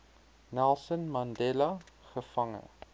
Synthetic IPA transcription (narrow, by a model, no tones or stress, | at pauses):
nɛlˠsənmɐndɛlɐ | χəfɐŋə̰